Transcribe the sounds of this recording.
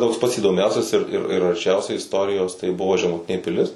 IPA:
ˈtoːks pɐts iːdoːˈmʲɛʊsʲɛs ɪr ɪr ɪr ɐrʲˈt͡ʃʲɛʊsʲɛɪ ɪsˈtoːrʲɪjoːs tɐɪ ˈbʊʋoː ʒʲɛmʊˈtʲɪnʲeː pʲɪˈlʲɪs

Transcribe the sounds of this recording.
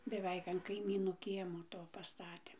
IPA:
bʲɛˈʋʲɛɪk ɐn kɐɪˈmʲiːnuː ˈkʲiɛmoː ˈtoː pɐˈstɑːtʲeː

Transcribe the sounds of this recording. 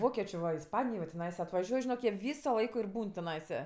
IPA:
ˈʋoːkʲɛt͡ʃʲeː ʋɐ ɪsˈpɑːnʲɪjoː jɛʊ tʲɪˈnɐɪsɐ ɐtʋɐˈʒʲuɔj ʒʲɪˈnoːk jiɛ ˈʋʲiːsoː ˈlˠɐɪkoː ɪr ˈbuːn tʲɪˈnɐɪsɐ

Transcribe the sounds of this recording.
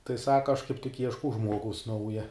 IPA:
tɐɪ ˈsɑːkɐ ɐʃ kɐɪp tʲɪk ˈiɛʃkɐʊ ˈʒmuɔɡɐʊs ˈnɐʊjɛ

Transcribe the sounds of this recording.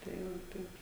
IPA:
tɐɪ ˈʋoː ˈtɐɪp

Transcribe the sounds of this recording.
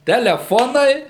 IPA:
tʲɛlʲɛˈfoːnɐɪ

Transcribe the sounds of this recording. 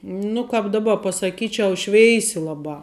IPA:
ˈnʊ kɐp dɐˈbɐ pɐsɐˈkʲiːt͡ʃʲɛʊ ˈʃʲʋʲɛɪsʲɪ ˈlˠɑːbɑː

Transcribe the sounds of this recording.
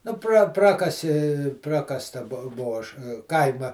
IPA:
nʊ prɐ ˈprɑːkɐsʲɪ ˈprɑːkɐstɐ ˈbuɔ ˈbuɔ ˈɐʃ ˈkɐɪmɐ

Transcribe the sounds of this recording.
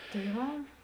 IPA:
tɐɪ ˈʋɐ

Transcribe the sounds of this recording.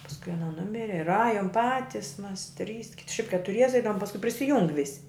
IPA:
pɐsˈkʊɪ ɐˈnɐ ˈnʊmʲɪrʲɪ ɪr ˈɑːjoːm ˈpɑːtʲɪs ˈmɐs ˈtʲrʲiːs kʲɪt ˈʃʲɛɪp kʲɛtʊˈrʲiɛsʲɛ ˈɛɪdɐʋʊm pɐsˈkʊɪ pʲrʲɪsʲɪˈjʊŋk ˈʋʲɪsʲɪ

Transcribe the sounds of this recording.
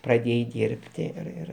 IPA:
prɐˈdʲeːjɛɪ ˈdʲiːrʲpʲtʲɪ ɪr ˈɪr

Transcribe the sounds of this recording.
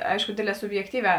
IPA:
ˈɐɪʃkʊ ˈdʲeːdʲˌlʲɛː sʊbʲjɛkˈtʲiːˌʋʲæː

